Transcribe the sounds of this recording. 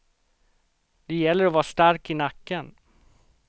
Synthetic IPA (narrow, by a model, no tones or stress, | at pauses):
d̪ɛjɛlːəɾɔvɑːst̪aɾkɪnakːən